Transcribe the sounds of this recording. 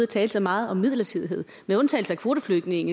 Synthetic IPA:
ð̩ˠɐt͡sʰɛːld̥sɑ̈ɪmɑ̈ːð̞̩ˠɒ̽mːið̞̰ˠlɐt͡sʰið̞̰ˠiɦe̝ð̞̰ˠ | meɔ̽nt͡sʰɛ̰ːl̩səækʰʋo̝ːɾ̥əfløɡ̥ne̝ŋ

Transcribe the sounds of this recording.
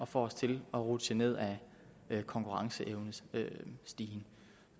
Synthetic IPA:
ɒ̽fɒ̰ːɒst͡sʰe̝lɒ̽ʁud̥səne̝ð̞̰ˠæ | kʰɒ̽ŋkʰuʁɑ̈ŋsəʔeʊnə | sd̥iːn

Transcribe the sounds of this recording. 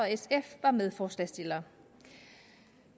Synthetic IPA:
ɒ̽esefʋɑ̈með̞ˠfɒːslæsd̥e̝lɐ

